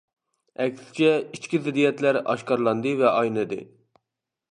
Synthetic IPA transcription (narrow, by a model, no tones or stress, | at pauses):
ɛkʲsɪ̥t͡ʃʰɛit͡ʃkʲizɪd̪ijɛt̪læɾɑ̰ʃqɑɾlˠɑnd̪ɨvɛʔɑjnɨd̪ɨ̰